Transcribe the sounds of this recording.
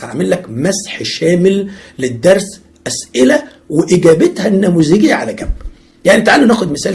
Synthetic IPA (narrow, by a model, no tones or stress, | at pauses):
æʕmelːækmæsħʃæːmɪlːed̪ːɑɾˤs | ʔæsʔɪlæ | weʔɪɡæːbet̪hænːæːmuːziɡɪjːæʕalæɡæmb | jaʕnit̪aʕaːlːænæːxod̪mɪsæːl